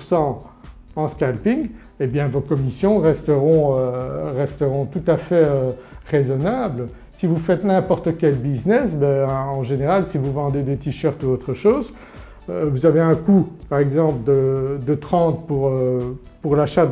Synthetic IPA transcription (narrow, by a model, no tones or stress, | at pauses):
sɑ̃ɑ̃skalpiŋ | ebjɛ̃vokɔmisjɔ̃ʁɛst̪əʁɔ̃øʁɛst̪əʁɔ̃t̪ut̪afɛøʁezɔnabl | sivufɛt̪nɛ̃pɔʁt̪əkʲɛlbiznɛsbɛɑ̃ʒeneʁalsivuvɑ̃d̪ed̪et̪iʃœʁt̪uot̪χəʃoːz | øvuzaveɛ̃kupaʁɛɡzɑ̃pləd̪əd̪ət̪χɑ̃t̪puʁø | puʁlaʃa